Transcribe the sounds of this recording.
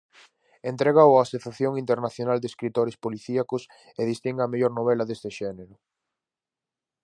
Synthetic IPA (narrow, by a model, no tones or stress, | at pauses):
ent̪ɾeɣaoaseθaθjoŋint̪eɾnaθjonald̪eskɾit̪oɾespoliθiakʊs | eðist̪iŋɡameʎoɾnoβ̞elɐðest̪eʃɛneɾʊ